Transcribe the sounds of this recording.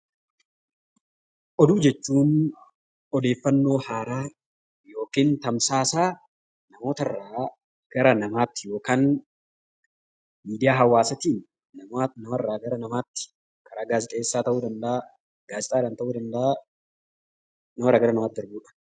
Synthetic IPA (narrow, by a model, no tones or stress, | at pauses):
ʔɔd̪uːd͡ʒɛt͡ʃːuːn | ɔd̪e̞ːfːɐnːo̞ːhaːɾaː | jo̞ːkiːnt̪ɐmsaːsaː | nɐmo̞ːt̪ɐrːaː | ɡ̥ɐɾɐnɐmaːt̪ːɪjo̞ːkaːn | miːd̪ɪjaːɦɐwːaːsɐt̪iːnː | ɐmanɐmɐrːaːɡɐɾɐnɐmaːt̪ːɪ̥ | kɐɾaːɡaːzɪt̪ʼe̞ːsːaːt̪ɐʔuːd̪ɐnd̪ɐʔaː | ɡ̥aːzɪt̪ʼaːᶑaːnt̪ɐʔuːd̪ɐnd̪ɐa | nɐmɐrːaːɡɐɾɐnɐmaːt̪̚d̪ɐɾbuːᶑɐ̥